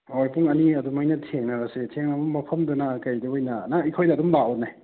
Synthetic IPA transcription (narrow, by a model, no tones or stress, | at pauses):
ojpʰuŋɐniɐdumɐjnɐtʰeŋnɐɾɐsetʰeŋɐbumːɐpʰɐmdunɐkɐjduojnɐnaikʰojdɐːdumlaɔnaj